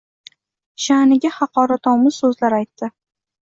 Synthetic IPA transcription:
ʃanɪɡʲahɑqɒɾat̪ɒwmɪz̥sɵzlaɾajt̪ːɪ

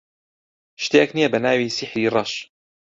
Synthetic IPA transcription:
ʃt̪eːknijebɐnaːwiːsɪħɾiːɾˤɑʃ

